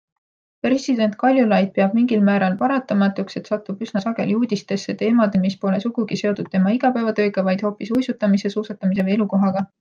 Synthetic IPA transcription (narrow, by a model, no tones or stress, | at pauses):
pre̞sid̪̥e̞nt̪̚ˑkɑlʲjulɑjd̪̥̚peɑb̥̚miŋɡilmæːɾɑlpɑɾɑt̪ːˑɑmɑt̪ːˑukse̞t̪sɑt̪ːˑub̥ysnɑsɑɡe̞̰ljuːd̪̥ist̪e̞sːe̞t̪e̞ːmɑd̪̥emispo̞le̞suɡ̥uɡ̥ise̞o̞t̪ud̪̥̚t̪e̞mɑiɡ̥ɑpæevɑt̪ø̞ːɡ̥ɑvɑjd̪̥ho̞ːpisujsut̪ːˑɑmise̞suːsɑt̪ːˑɑmis̬e̞ve̞luko̞ɦɑɡ̥ɑ